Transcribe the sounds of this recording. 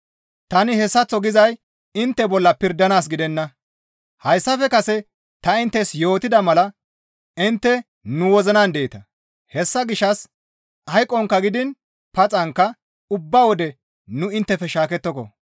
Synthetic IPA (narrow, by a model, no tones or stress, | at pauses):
t̪ɐnɪhɛsːɐt͡sːɔɡɪzɐj | ɪnt̪ːɛbɔlːɐpɪɾd̪ɐnaːs̬ɡɪd̪ɛnːɐ | hɐjsːɐfɛkɐsɛ | t̪ɐɪnt̪ːɛsjo̞ːt̪ɪd̪ɐmɐlɐ | ɪnt̪ːɛ | nʊwɔzɐnand̪ɛɪt̪ɐ | hɛsːɐɡɪʃːɐs | ʔɐjkʼːɔŋkːɐɡɪd̪ɪn | pɐt͡sʼɐŋkːɐ | ʊbːawɔd̪ɛ | nʊɪnt̪ːɛfɛʃaːkɛt̪ːɔkɔ̰